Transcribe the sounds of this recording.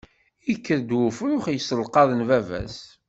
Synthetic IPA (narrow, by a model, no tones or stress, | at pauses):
ikːəɾd̪wʊfɾʊχjsəlqɑðˤənvævæ̰s